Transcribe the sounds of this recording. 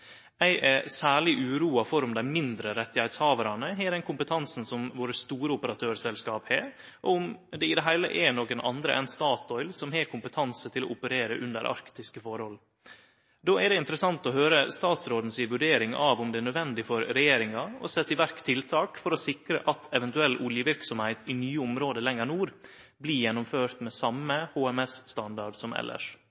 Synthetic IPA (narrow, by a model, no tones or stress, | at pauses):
æɪʔɛsæːɭɪʔʉːɾuːɑfɔɾʊmd̪æɪmɪnd̪ɾəɾɛt̪ːɪhæɪt̪shɑːʋəɾɑnəɦɛːɾɛnkʰʊmpət̪ʰɑnsn̩sɔmʋoːɾəst̪uːɾəʊpəɾɑt̪ʰøːɾsɛlskɑːpheː | ʔɔʊmd̪ɛɪd̪ɛɦæɪlə̰ʔɛnoːkənɑ̰nd̪ɾə̰ʔɛ̰nst̪ɑːt̪ɔʏlsɔmɦɛːkʰʊmpət̪ʰɑnsət̪ʰɪlɔ̰ʊpəɾeːɾə̰ʔʉnd̪ə̰ɾʔɑ̰ɾkt̪ɪskəfɔɾhɔl | d̪oːæɖɛɪnt̪ɾəsɑnt̪ɔɦøːɾəst̪ɑːt̪sɾoːd̪n̩sɪʋʉɖeːɾɪŋɑʋʊmd̪ɛæːɳœd̪ʋɛnd̪ɪfɔɾɾɛjeːɾɪŋɑɔ̰sɛt̪ːɪʋæɾkt̪ʰɪlt̪ʰɑːkfɔɾɔsɪkɾə̰ʔɑt̪ʰɛʋɛnt̪ʉɛlːʔuljəʋɪɾksɔmhæɪt̪ʰɪnyːəʊmɾoːd̪əlɛŋːənuːɾ | bliːjɛnːʊmføːɾt̪mɛsɑməhoːɛmɛsst̪ɑnd̪ɑɖsɔmɛ̰lʔə̰ʂ